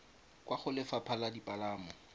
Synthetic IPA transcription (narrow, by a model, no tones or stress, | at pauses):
kwaχʊlɪfapʰaladipʼalaːmɔ